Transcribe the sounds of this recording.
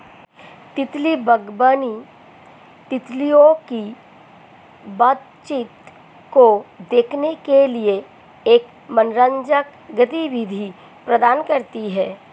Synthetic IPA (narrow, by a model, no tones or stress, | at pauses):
t̪ɪt̪libəɡbaːni | t̪ɪt̪lijõki | bat̪ | t͡ʃɪt̪ | kod̪eːkʰnekelie | eːk | mənɾə̃ɲd͡ʒək | ɡət̪iʋɪd̪ʱi | pɾəd̪aːnkəɾt̪iɦɛː